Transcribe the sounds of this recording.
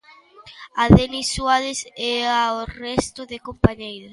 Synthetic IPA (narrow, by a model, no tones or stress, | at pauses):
aðeniswalɪsɛaorɛst̪ʊðekompaɲejɾʊs